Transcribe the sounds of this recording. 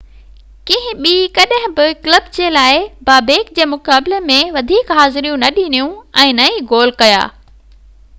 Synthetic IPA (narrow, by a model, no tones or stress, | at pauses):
kĩɦɪ̃ɓiːkɐɗɦɪ̃bɪklɐbd͡ʑeːlaːɪbaːbeːkd͡ʑeːmʊkaːblemẽʋɐd̪ʱiːkɦaːzɪɾijũnɐɗiːnijũɛ̃ːnɐĩɡoːl̤kɐja̰ː